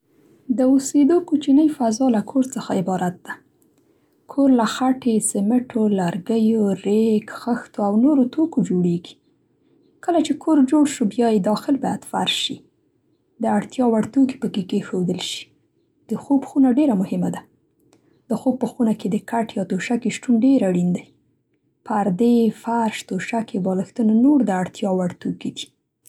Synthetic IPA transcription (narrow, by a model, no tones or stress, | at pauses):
d̪əused̪okut͡ʃinəjfazɑlakʰoɾt͡səxaɪbɑɾat̪̚d̪̥a | kʰoɾlaxaʈesɪmɪʈʰolaɾɡəjoɾekxəxt̪oawnoɾot̪ʰokod͡ʒoɽeɡi̥ | kəlat͡ʃekʰoɾd͡ʒoɽʃubjɑjed̪ɑxɪlbɑjad̪fa̰ɾʃi | d̪əaɽt̪jɑwaɽt̪uki̥pəkekexod̪əlʃi̥ | d̪̥əxobxunaɖeɾamʊhɪmad̪a | d̪̥əxob̚pːəxunaked̪əkaʈjɑt̪oʃakeʃʈunɖeɾaɽind̪aj | paɾd̪efaɾʃt̪oʃakebɑləxt̪unanoɾd̪əaɽt̪jɑwaɽt̪okid̪i̥